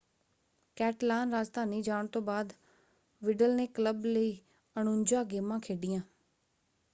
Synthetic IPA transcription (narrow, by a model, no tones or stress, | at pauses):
kɛːʈlaːnɾaːd͡ʒt̪aːniːd͡ʒaːɳt̪õːbaːd̪ | ʋɪɖəlneːkləbləiː | əñõːɲd͡ʒaːɡeːmãːkʰeːɖɪjãː